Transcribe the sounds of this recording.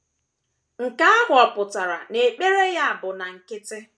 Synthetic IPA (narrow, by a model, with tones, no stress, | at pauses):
ŋ̩˨ka˦a˦bʊ˦˨ɔ˨pʊ˨ta˨ɾa̰˨ne˨k͡pe˦ɾe˦ja˦a˨bʊ˨na˨ŋ̩˨kɪ˦tɪ˦